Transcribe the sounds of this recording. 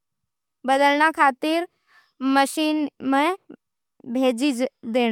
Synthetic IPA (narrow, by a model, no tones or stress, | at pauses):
bəd̪əlñakʰaːt̪ɪɾ | məʃiːnmẽ | bʱeːd͡ʒid͡ʒd̪eːɽ̃